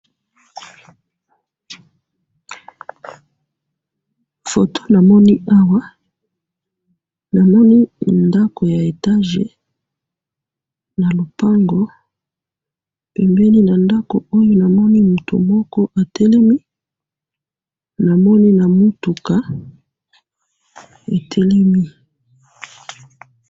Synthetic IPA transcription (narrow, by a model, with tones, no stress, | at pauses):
fo˨tʰo̥˦na˨mɔ˦ni˦ʔa˦wa˦ | na˨mɔ˦ni˦nda˦ko˨ja˨e˨ta˦ʒḛ˨ | na˨lo˨pa˦ŋɡɔ˦ | pɛ˨mbɛ˦ni˦na˨nda˦ko̰˨o˦jo˦na˨mɔ˦ni˦mu˨to̰˨mɔ˦kɔ˦ʔa˨tʰɛ˦lɛ˦mi˦ | na˨mɔ˦ni˦na˨mu˦tu˨ka˦ | e˨tʰɛ˦lɛ˦mi˦